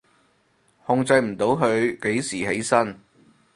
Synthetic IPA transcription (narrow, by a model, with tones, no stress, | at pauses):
hʊ˧ŋt͡sɐ˧jm̩˨˩t̪o˨˥wɦɵ˨˧ɥke˨˥jsiː˨˩he˨˥jsɐ˥n